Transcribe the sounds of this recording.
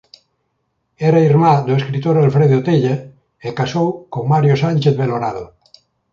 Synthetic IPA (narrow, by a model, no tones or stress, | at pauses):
ɛɾaiɾmad̪oeskɾit̪oɾalfɾeðot̪eʎa | ekasowkoŋmaɾjosanʲt͡ʃeθβeloɾaðo